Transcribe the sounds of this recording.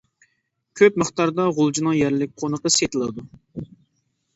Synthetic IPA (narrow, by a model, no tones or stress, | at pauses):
kʲʰøp̚məχt̪ɑɾd̪ɑʁolˠd͡ʒinɨŋjɛɾlɪk̚ʲqʰonəqəset̪ɨlˠɨd̪u